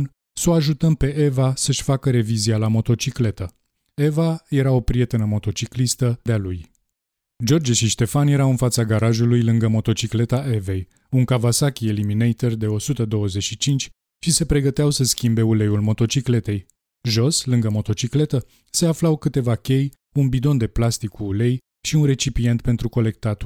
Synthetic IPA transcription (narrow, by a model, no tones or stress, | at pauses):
n | so̞aʒut̪əmpe̞ʔe̞vasəʃʲfakəɾe̞vizialamo̞t̪o̞t͡ʃikle̞t̪ə | e̞vaje̞ɾao̞pɾije̞t̪enəmo̞t̪o̞t͡ʃiklist̪əd̪ealuj | d͡ʒo̞rd͡ʒeʃiʃt̪e̞fanje̞ɾawɨnfat̪saɡaɾaʒulujlɨŋɡəmo̞t̪o̞t͡ʃikle̞t̪aʔe̞ve̞j | uŋkavasakʲie̞liminejt̪erd̪e̞o̞sut̪əd̪o̞wəze̞ʃit͡ʃint͡ʃʲ | ʃise̞pɾe̞ɡət̪eawsəskʲimbe̞ule̞julmo̞t̪o̞t͡ʃikle̞t̪e̞j | ʒo̞slɨŋɡəmo̞t̪o̞t͡ʃikle̞t̪ə | se̞aflawkɨt̪e̞vakʲe̞j | unbid̪o̞nd̪e̞plast̪ikʰːuːle̞j | ʃiunɾe̞t͡ʃipije̞nt̪̚pe̞nt̪ɾuko̞le̞k̚t̪at̪